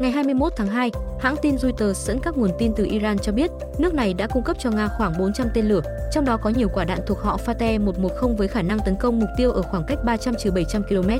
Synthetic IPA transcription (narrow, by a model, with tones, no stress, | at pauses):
ŋa˨˩jɦaː˧jmɨ˧əjmo˦˥t̪ʰaː˨˦ŋɦaː˧jha̰ː˧˥ŋt̪i˧nzu˧jt̪əː˨˩szə̰˧˥nkaː˦˥k̚ŋu˨˩ənt̪i˧nt̪ɨ˨˩ʔi˧zaː˧nt͡ɕɔ˧ɓi˦˥ət̚ | nɨ˦˥ək̚na˨˩jɗa̰ː˧˥kʊ˧ŋ͡mkə˦˥p̚t͡ɕɔ˧ŋaː˧xwaː˧˩ŋɓo˨˦nt͡ɕa˧mt̪e˧nlɨ˧˩ət͡ɕɔ˧wŋ͡mɗɔ˨˦kɔ˨˦ɲi˨˩əkwaː˧˩ɗa̰ː˧˨nt̪u˨˩ək̚hɔ̰˧˨faː˧t̪ɛ˧mo˨˩t̚mo˨˩t̚xə˧wŋ͡mvəː˨˦jxaː˧˩na˧ŋt̪ə˨˦nkə˧wŋ͡mmʊ˨˩k͡p̚t̪i˧əwʔəː˧˩xwaː˧˩ŋka˦˥jk̟̚ɓaː˧t͡ɕa˧mt͡ɕi˨˩wɓə˧˩jt͡ɕa˧mki˧lo˧mɛ˦˥t̚